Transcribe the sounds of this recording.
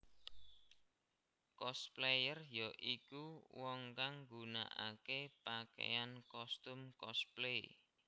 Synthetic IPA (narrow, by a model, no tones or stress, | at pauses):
kɔsplejərjɔʔikuwɔŋkaŋɡuna̰ʔa̰kepakḛjankɔst̪umkɔsple